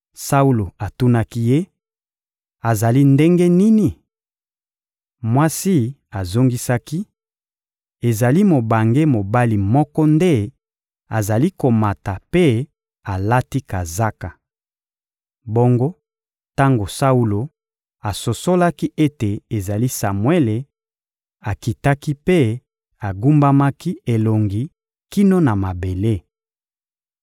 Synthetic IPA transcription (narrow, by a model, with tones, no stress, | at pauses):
sa˦u˦lo˨a˨tu˦na˦ki˦je˦ | a˨za˨li˦nde˦ŋɡe˦ni˦ni˨ | mwa˦si˦ | a˨zo˦ŋɡi˦sa˦ki˦ | e˨za˨li˦mo˨ba˨ŋɡe˦mo˨ba˦li˨mɔ˦kɔ˦nde˦ | a˨za˨li˦ko˨ma˨ta˨pe˦ | a˨la˦ti˦ka˨za˦ka˨ | bo˦ŋɡo˦ | ta˦ŋɡo˨sa˦u˦lo˨ | a˨so˨so˦la˦ki˦ʔe˦te˨e˨za˨li˦sa˨mwe˦le˨ | a˨ki˨ta˦ki˦pe˦ | a˨ɡu˦mba˦ma˦ki˦e˨lo˨ŋɡi˨ | ki˦no˦na˨ma˨be˨le˦